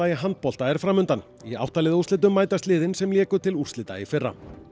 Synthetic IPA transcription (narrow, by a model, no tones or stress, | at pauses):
ajɪɦant̪̚pɔl̥t̪aɛɾ̥fɾaːmʏnt̪an | ia̰wht̪alɪðust̪ɪːt̪̬ʏmːaːjt̪ast̪lɪːðɪnsɛmljɛːkʏt̪ʰɪlur̥t̪lɪːt̪a̰jɪfɪrːa̰